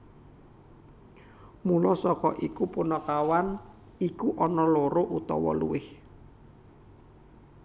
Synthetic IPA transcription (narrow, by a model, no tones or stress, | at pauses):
mulɔsɔkɔʔikupunɔkawan | ikuʔɔnɔloɾoʔut̪ɔ̰wɔ̰lṵwɪh